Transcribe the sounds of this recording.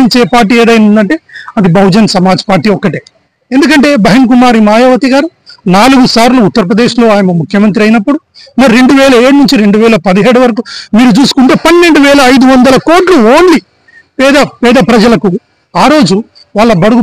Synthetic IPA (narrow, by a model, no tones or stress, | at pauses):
iɲt͡ʃeːpaːɾʈ̬ːiːeːd̪ɐjnund̪ɐɳʈe̞ːɐd̪ibɐwd͡ʒɐnsɐmaːd͡ʒɐ̥paːɾʈiːɔkːɐʈeː | end̪ukɐɳʈe̞ːbɐɦink̬umaːɾimaːjoːʋɐt̪iɡaːɾu | naːluɡusaːɾluːt̪ːɐɾɐpɾɐd̪eːʃlo̞ːaːjɐmɐmukʰjɐmɐnt̪̬ɾiɐjnɐpːuɽumɐɾiɾe̞ɳɖuʋɛːlɐe̞ːɽunuɲt͡ʃiɾe̞ɳɖuʋɛːlɐpɐd̪iɦeːɽuʋɐɾɐk̬umiːɾut͡ʃuːsu̥kuɳʈeːpɐnːe̞ɳɖuʋɛːlɐɐjd̪uʋɐnd̪ɐlɐko̞ːʈluoːnli | pɛːd̪ɐpɛːd̪ɐpɾɐd͡ʒɐlɐku | aːɾo̞ːd͡ʒu | ʋaːɭːɐbɐɽuɡu